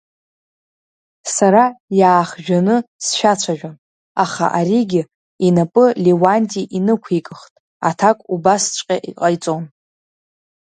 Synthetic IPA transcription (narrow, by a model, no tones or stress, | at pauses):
saɾajaːχʒᶣanɨsʃᶣat͡ɕʷʰaʒᶣan | aχa̰ʔaɾiɡʲɪ | inapʼɨlewanʲtʼiʔinɨkʷʰikʼɨχtʼ | a̰tʰakʷʼubast͡ʃʷʼqʲʼaʔiqʼajt͡sʼon